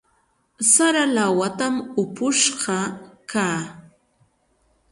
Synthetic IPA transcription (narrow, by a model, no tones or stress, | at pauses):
saɾalawat̪amʊpʊʃɢɑkaː